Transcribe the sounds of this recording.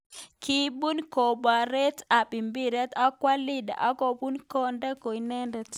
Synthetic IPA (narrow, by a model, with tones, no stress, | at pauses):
ki˦bu˦nko˨ba˨ɾɛ˦ta˨bi˨mbi˦ɾɛ˦ta˦kwa˦li˦da̰˨ʔa˦ko˨bu˦nkɔ˦nda˦ko˨i˨nɛ˦ndɛ˨t